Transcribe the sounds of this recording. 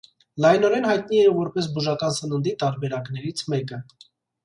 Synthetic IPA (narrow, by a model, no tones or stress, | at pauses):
lɑjnɔɾɛnhɑjt̪̚niɛvɔɾpɛs̬buʒɑkɑnsənənd̪it̪ɑɾbɛɾɑkn̪ɛɾit͡sʰmɛkə